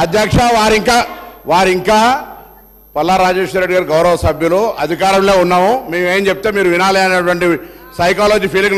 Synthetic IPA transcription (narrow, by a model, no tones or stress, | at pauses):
ɐd̪ʱjaːkʂaʋaːɾiŋkaːʋaːɾiŋkaː | pɐlːaːɾaːd͡ʒeːʂɐɾeːɖiɡaːɾiɡɐwɾɐʋɐsɐbʱjuluɐd̪ʱikaːɾɐmle̞ːunːaːmumeːmeːnt͡ʃep̚t̪emiːɾuʋinaːlɛːɐnɐʈʋɐɳʈisɐjkaːloːd͡ʒiːpʰiːliŋ